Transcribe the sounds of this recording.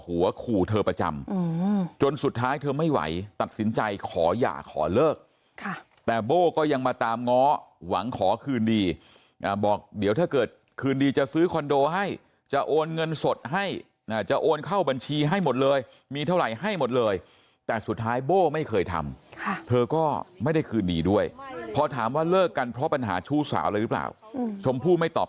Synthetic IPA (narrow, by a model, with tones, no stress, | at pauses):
hu˨˩˦ɐkʰuː˨˩t̪ʰɤː˧pɾa˧t͡ɕa̰˧mː˧t͡ɕo˧nsu˨˩t̪ʰːaː˦˥jt̪ʰɤː˧ma˥˩jwa̰˩˦jt̪a˨˩t̪̚si˩˦nt͡ɕa˧jkʰɔ̰ː˩˦ja̰ː˨˩kʰːɔ̰ː˩˦lɤː˥˩k̚ | kʰa˥˩ | t̪ɛː˨˩boː˥˩kɔː˥˩ja˧ŋmaː˧t̪aː˧mŋɔː˦˥wa̰˩˦ŋkʰɔː˩˦kʰɯː˧ndiː˧ | ʔaː˨˩bɔː˨˩k̚di˨˦wt̪ʰaː˥˩kɤː˨˩t̪̚ | kʰɯː˧ndiː˧t͡ɕa˨˩sɯː˦˥kʰɔ˧ndoː˧ɦa˥˩j | t͡ɕa˨˩ʔoː˧nŋɤ˧nso˨˩t̪̚ɦa˥˩j | ʔaː˧˨˩t͡ɕa˨˩ʔoː˧nkʰa˥˩wba˧nt͡ɕʰiː˧ɦa˥˩jmo˨˩t̪̚lɤː˧j | miː˧t̪ʰa˥˩wɾa˨˩jɦa˥˩jmo˨˩t̪̚lɤː˧j | t̪ɛː˨˩su˨˩t̪ʰːaː˦˥jboː˥˩ma˥˩jkʰɤː˧jt̪ʰa̰˧mkʰa˥˩t̪ʰɤː˧kɔː˥˩ma˥˩jda˥˩jkʰɯː˧ndḭː˧du˥˩əjpʰɔ˧t̪ʰa̰ː˩˦mwaː˥˩lɤː˥˩kːa˧npʰɾɔ˦˥pa˧nɦa̰ː˩˦t͡ɕʰuː˥˩sa̰ː˩˦wlaː˧ɾɯ˦˥pla̰ː˨˩wt͡ɕʰo˧mpʰuː˥˩ma˥˩jt̪ɔ̰ː˨˩